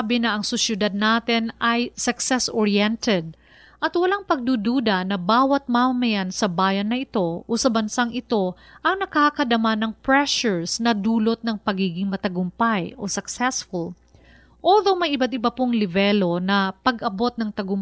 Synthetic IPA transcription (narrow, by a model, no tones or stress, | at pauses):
bɪnɐʔɐŋsʊsjʊd̪ad̪̚naːt̪ɪnɐjsɐksɛsʔoɹiɛnt̪ɛd̪̚ | ʔɐt̪wɐlaŋpɐɡ̚d̪ud̪uːd̪ɐnɐbaːwɐt̪̚maːmɐmɐjansɐbaːjɐnːɐʔɪt̪o̞ʔosɐbɐnsaŋʔɪt̪o̞ʔɐŋnɐkakɐd̪ɐmanɐŋpɹɛʃʊɹsnɐd̪uːlot̪̚nɐŋpɐɡiːɡɪŋmɐt̪ɐɡʊmpajʔo̰sɐksɛsfʊl | ʔoːðowmɐjɪbat̪̚ɪbɐpoŋlɪvɛlo̞nɐpɐɡʔɐbo̞t̪̚nɐŋt̪ɐɡʊm